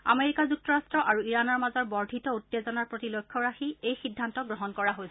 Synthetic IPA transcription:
a̰meɹikazuk̚tɔɹastɹɔʔaɹuiɹanɔɹmazɔɹbɔɹdʱitɔutːezɔnaɹpɹotilokʰːjɔɹaxiejxidʱːantɔɡɹɔɦɔnkɔɹaɦojs

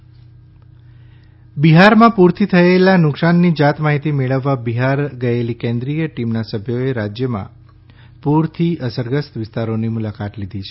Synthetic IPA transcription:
biɦaɾmãpuɾt̪ʰit̪ʰəelanʊksanːid͡ʒat̪maɦit̪imeɭəʋːabiɦaɾɡəelikẽnd̪ɾijəʈimnasəbʱjoeɾad͡ʒjəmã̰ | puɾt̪ʰiʔəsəɾɡəst̪ʋɪst̪aɾonimulakat̪lid̪ʱit͡ʃʰe

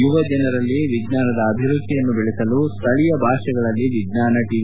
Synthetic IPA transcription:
juʋɐd͡ʒɐnɐɾɐlːiʋiɡnaːnɐd̪ɐːbʱiɾud̪ʱːijɐnːubɛɭɛsɐlust̪ʰɐɭijɐbʱaːʂɐɡɐɭɐlːiʋiɡnaːnɐʈiʋi

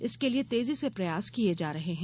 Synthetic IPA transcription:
ɪskeliet̪eːzisepɾɐjaːskied͡ʒaːɾɐɦeɦɛ̃

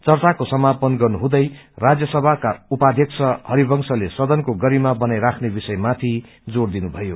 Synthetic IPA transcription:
t͡sʌrt͡sakosʌmapʌnɡʌrnuɦũd̪ʌj | rad͡zjʌsʌbʱakaupad̪ʱjʌk̚t͡sʰʌhʌɾibʌŋsʌlesʌd̪ʌnkoɡʌɾimabʌnajɾakʰnebisʌjmat̪ʰi | d͡zord̪inubʱʌjo

